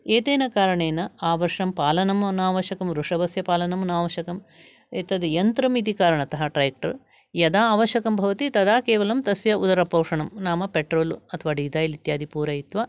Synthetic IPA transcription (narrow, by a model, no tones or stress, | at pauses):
eːt̪eːnɐkaːɾɐɳeːnɐaːʋɐɾʂɐmpaːlɐnɐmnaːʋɐʃɐkɐmɾuʂɐʋɐsjɐpaːlɐnɐmnaːʋɐʃɐkɐm | eːt̪ɐd̪ijɐnt̪ɾɐmit̪̬ikaːɾɐɳɐt̪ɐɦɐʈɾɐjɐk̚ʈɐɾ | jɐd̪aːʋɐʃjɐkɐmbʱɐʋɐt̪it̪ɐd̪aːkeːʋɐlɐmt̪ɐsʋjɐud̪ɐɾɐpɐːʂɐɳɐmnaːmɐpeʈɾoːluɐt̪ʰɐʋaːɖiːd̪aːjilit̪jaːd̪ʱipuːɾɐjit̪ʋa